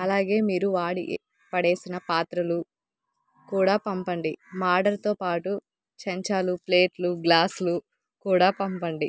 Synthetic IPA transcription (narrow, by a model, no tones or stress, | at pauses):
ɐlaːɡe̞ːmiːɾuʋaːɽḭ | pɐɽe̞ːsinɐpaːt̪ɾɐlu | kuːɽaːpɐmpɐɳɖimaːɾɖɐɾt̪o̞ːpaːʈu | t͡ʃɐɲt͡ʃaːluple̞ːʈluɡlaːslu | kuːɽaːpɐmpɐɳɖi